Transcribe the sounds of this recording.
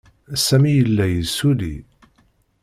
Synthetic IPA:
sːæmijəlːæjəsːulḭ

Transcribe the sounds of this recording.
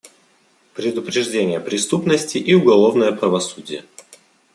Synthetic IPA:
pɾʲɪd̪ʊpɾʲɪʐdʲenʲɪjəpɾʲɪst̪upnəsʲtʲɪʔiʊɡɐlˠo̞vnəjəpɾəvɐsudʲɪjə

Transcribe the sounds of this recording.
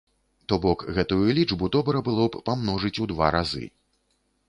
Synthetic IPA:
t̪ɔbɔkɣɛt̪ujulʲiʐbud̪ɔbɾɐbɨlˠɔppamnɔʐɨt͡sʲud̪va̰ɾazɨ̰

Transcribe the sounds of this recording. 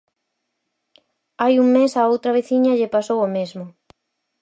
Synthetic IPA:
ajuŋmesaowt̪ɾɐβeθiɲɐʎepasowomezmʊ

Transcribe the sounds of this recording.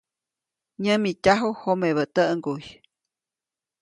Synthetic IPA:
ɲəmitʲaɦuhomeβət̪əʔŋɡuj

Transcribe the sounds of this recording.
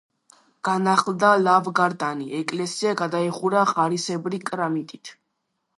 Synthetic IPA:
ɡ̥anaχlˠd̪alavɡaɾd̪aniɛkʼlɛsiaɡad̪aiχuɾaʁaɾisɛbɾikʼɾamit̪ʼit̪ʰ

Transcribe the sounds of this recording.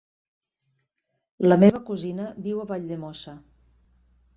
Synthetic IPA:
ləmeβəkuzinəβiwəβaʎd̪emɔsə

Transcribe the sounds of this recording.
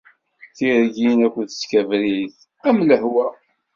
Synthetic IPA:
θiɾɡinækʷːəθə̥skævɾiθ | æmləhwæ

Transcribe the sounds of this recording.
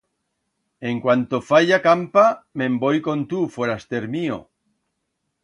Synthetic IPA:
eŋkwant̪ofaʎakampamẽmbojkont̪ufweɾast̪eɾmio̰

